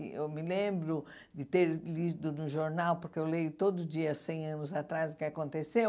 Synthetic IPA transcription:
ewmɪlẽbɾʊ | d̪ɪt̪eɾlid̪ʊnʊʒoɾnawpoɾkeewlejʊt̪od̪ʊʊd͡ʒiɐsẽj̃ɐ̃nʊzat̪ɾazʊkɪakõnt̪ese

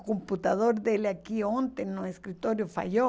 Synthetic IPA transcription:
komput̪aðoɾd̪eleakiont̪ennoeskɾit̪oɾjofa̰ʎo

